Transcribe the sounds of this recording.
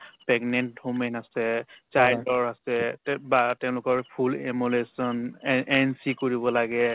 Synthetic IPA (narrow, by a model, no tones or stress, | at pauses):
pɛɡnɛnthomɛnasɛt͡ʃajdɔɹasɛbatɛʊ̃lʊkɔɹpʰulemulesɔnɛnsikoɹibɔlaɡɛ